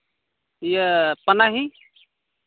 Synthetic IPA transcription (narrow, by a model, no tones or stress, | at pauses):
jəpənaɦi